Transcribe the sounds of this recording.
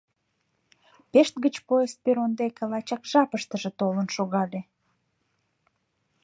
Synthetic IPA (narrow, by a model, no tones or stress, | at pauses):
peʃt̪̚ɡət͡ɕpojest̪̚peɾond̪ekelɑt͡ɕɑkʒ̥ɑpəʃt̪əʒĕt̪olənʃoɣɑd̪e